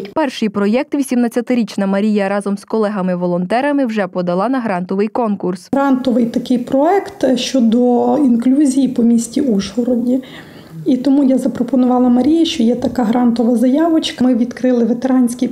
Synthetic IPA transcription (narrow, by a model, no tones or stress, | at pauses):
pɛrʃɪjpɾɔjɛk̚t̪ʋʲisʲimnɐt͡sʲːɐt̪ɪɾʲit͡ʃnɐmɐɾʲijɐɾɑzɔmskɔlˠɛɦɐmɪʋɔlˠɔnt̪ɛɾɐmɪwʒɛpɔd̪ɐlˠɑnɐɦɾɑnt̪ɔʋɪjkɔnkursɾɑnt̪ɔʋɪjt̪ɐkɪjpɾɔɛkt̪ʃt͡ʃɔd̪ɔinklʲuzʲijipɔmʲisʲtʲiuʒɦɔɾɔdʲi | it̪ɔmujazɐpɾɔpɔnʊʋɑlˠɐmɐɾʲijɐʃt͡ʃɔjɛt̪ɐkɑɦɾɑnt̪ɔʋɐzɐjɑʋɔt͡ʃkɐmɪʋʲid̪kɾɪlˠɪʋet̪eɾɑnʲsʲkʲij